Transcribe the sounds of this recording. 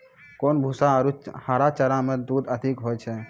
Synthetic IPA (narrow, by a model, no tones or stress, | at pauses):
koːnbʱusaɾuhaːɾat͡ʃəɾãmẽd̪uːd̪əd̪ʱɪkɦoːjt͡ʃʰe